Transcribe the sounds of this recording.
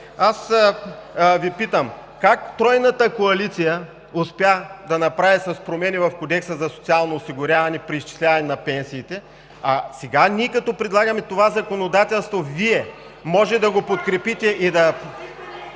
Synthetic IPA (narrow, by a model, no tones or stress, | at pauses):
as | vipit̪əmkakt̪ɾɔjnət̪əkoɐlit̪sijə | ʊspʲjad̪ɐnɐpɾavisɐspɾomɛnivɐfkod̪ɛksəzɐso̥t̪sialˠnoːsiɡʊɾʲavɐnɛpɾiist͡ʃi̥slʲavɐnɛnɐpɛnsiːt̪ɛ | ɐsɛɡaniɛkɐt̪ɔpɾɛd̪lˠaɡɐmɛt̪ovazɐkonod̪at̪ɛlˠst̪voviɛ | mɔʒɛd̪ɐɡopot̪kɾɛpit̪ɛʔid̪ɐ